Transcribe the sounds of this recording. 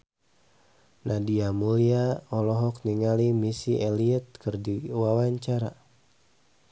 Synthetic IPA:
nadiamuliaɔlɔɦɔk̚niŋalimisiʔɛliət̪̚kɨrdiwawaɲt͡ʃaɾa̰

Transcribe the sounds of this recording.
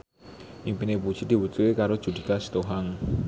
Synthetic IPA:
ʔiŋpineput͡ʃid̪̥i̤wut̪uekaɾo̥d͡ʒ̥ṳd̪ikasi̥t̪uɦaŋ

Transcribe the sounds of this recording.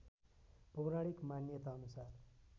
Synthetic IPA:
pʌwɾaɽikmanjʌt̪aʌnusar

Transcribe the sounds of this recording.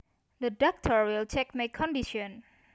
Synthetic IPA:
dədɔk̚tʰəɹwɪlt͡ʃʰɛk̚makʰɔ̃ndiʃɔ̃n

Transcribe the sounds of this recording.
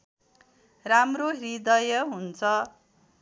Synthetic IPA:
ramroɦɾid̪ʌjʌɦunt͡sʰʌ

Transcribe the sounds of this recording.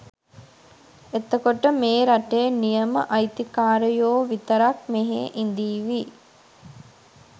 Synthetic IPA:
et̪əkoʈəmeːɾaʈejnijəmə̰ʔajt̪ikaːɾəjoːʋit̪əɾak̚meɦeʔind̪iːʋi

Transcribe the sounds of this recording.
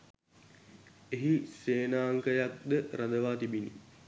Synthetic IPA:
eɦiseːnaːŋkəjak̚d̪əɾad̪əʋaːt̪ibinḭ

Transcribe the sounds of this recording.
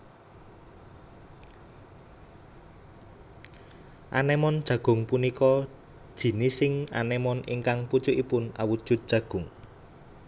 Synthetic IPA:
ʔanɛmɔnd̥ʒ̥ä̤ɡ̥ʊ̤ŋpunikɔ | d̥ʒ̥i̤nisɪŋa̰nɛmɔnḭŋkaŋput͡ʃʊʔipʊnawud̥ʒ̥ʊt̪̚d̥ʒ̥ä̤ɡ̥ʊŋ

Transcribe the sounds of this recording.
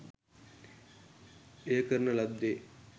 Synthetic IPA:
ejəkəɾənəlad̪ːe

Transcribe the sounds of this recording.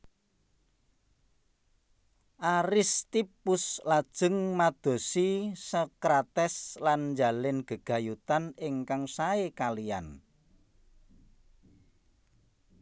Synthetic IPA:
ʔaɾɪst̪ipʊslad̥ʒ̥ə̤ŋmad̪̥o̤sisəkɾat̪ɛslanɲd͡ʒa̤lɪnɡ̥ə̤ɡ̥a̤jut̪anɪŋkaŋsaekalija̰n

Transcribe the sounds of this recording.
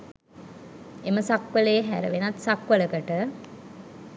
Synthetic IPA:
eməsakʋəlejːɦæ̰ɾə̰ʋenat̪sakʋələkəʈə

